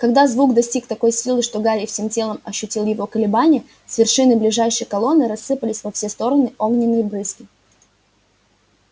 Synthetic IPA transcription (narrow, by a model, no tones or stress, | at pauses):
kɐɡd̪azvukd̪ɐsʲtʲikt̪ɐko̞jsʲilˠɨʂt̪o̞ɡaɾʲɪfsʲemtʲe̞lˠəmɐɕːʊtʲilˠjɪvo̞kəlʲɪbanʲɪjə | svʲɪrʂɨnɨblʲɪʐajʂəjkɐlˠo̞nːɨɾɐsːɨpəlʲɪsʲvɐfsʲe̞st̪o̞ɾənɨʔo̞ɡnʲɪnːɨjəbɾɨskʲɪ